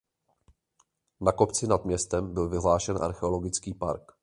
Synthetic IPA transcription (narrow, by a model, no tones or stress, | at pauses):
nako̞pt͡sɪnad̪mɲɛst̪ɛmbɪlvɪɦlaːʃɛnʔa̰ɾxɛo̞lo̞ɡɪt͡skiːpa̰ɾk